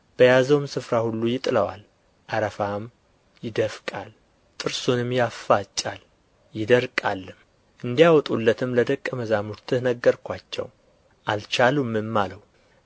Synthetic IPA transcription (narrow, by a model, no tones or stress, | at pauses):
b̥əjazəwmsɨfɾahulːujɪt̪ʼɨləwa̰l | ʔaɾəfam | jɪd̪əfkʼal | t̪ʼɨɾsunɨmjafːat͡ʃʼal | jɪd̪əɾkʼalːɨm | ʔɨnd̪ijawɔt̪ʼulːət̪ʰɨmləd̪əkʼːəməzamuɾt̪ʰɨhnəɡːəɾkʷʰat͡ʃːɛ̰w | ʔalt͡ʃalumːɨmːaləw